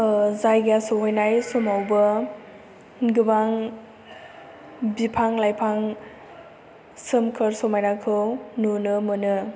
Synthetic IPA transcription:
zajɡasowɦojnajsɔmawbɯ | ɡɯbaŋ | bipʰaŋlajpʰaŋ | sɯmkʰɯɾsomajnakʰɯwnunɯmɯnɯ

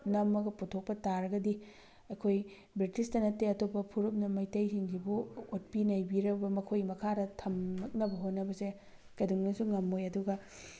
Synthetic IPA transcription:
nɐmːɐɡɐputʰok̚pɐtaɾɐɡɐdi | ɐkʰoj | bɾitistɐnɐtːeɐtʰopːɐpʰuɾup̚nɐmɐjtɐjsiŋɡibuot̚pinɐjbiɾɐbɐmɐkʰojmɐkʰadɐtʰɐmnɐk̚nɐbɐɦotnːɐbɐse | kɐduŋnɐsuŋɐmːojɐduɡɐ

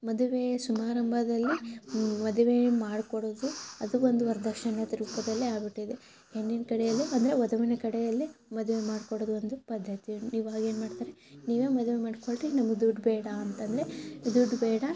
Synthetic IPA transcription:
mɐd̪uʋesumaːɾɐmbʱɐd̪ɐlːimɐd̪uʋe̞maːɽkoɽoːd̪uɐd̪uond̪uɐɾd̪ʱɐkʂɐnɐt̪iɾpɐd̪ɐlːiaːbiʈːuid̪e | enːinkɐɽɛjɐlːiɐnd̪ɐɾeʋɐd̪ɐʋinɐkɐɽɛjɐlːimɐd̪uʋemaːɽkoɽoːd̪uond̪upɐd̪ʱːɐt̪iniːʋuaːɡe̞ːnmaːɽt̪aːɾeniːʋeːmɐd̪ʋemaːɖkoɭʈinɐmɐɡd̪uɖbɛːɽɐːnt̪ɐnd̪ɐɾed̪uɖbɛːɽɐ

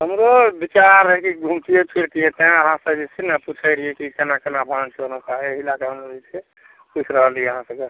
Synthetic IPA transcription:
ɦəmɾobit͡ʃaɾɦɛkiɡʱumtiepʰiɾkiet̪eɦẽəɦãsə̃d͡ʒisʰenaput͡ʃʰəɾiekikənakənabʱãnt͡ʃonokaɦeɦilakeɦəmɾod͡ʒit͡ʃʰe | put͡ʃʰɾəɦəlieəɦãsə̃ke

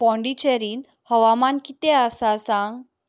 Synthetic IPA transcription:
pɔ̃ɳɖit͡ɕəɾiːn | həʋamankit̪easasãŋɡ

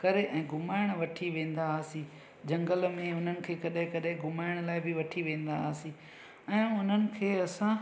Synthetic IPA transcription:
kɐɾeʔɛ̃ːɡʱʊmaːɪɽ̃ʋɐʈʰiʋẽːn̆d̪aːsi | d͡ʑɐ̃ŋɡəlmẽʊn̤ənɪ̆kʰeːkɐɗɦɪ̃kɐɗɪ̃ɡʱʊmaːɪɽ̃laːɪbɪʋɐʈʰiʋẽːn̆d̪aːsĩ | ɛ̃ːʊn̤ənɪ̆kʰeːɐsã

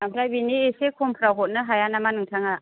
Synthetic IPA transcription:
ampʰɾajbiniesekʰumpʰɾaɦɔt̚nɯɦajanamanɯŋtʰaŋa

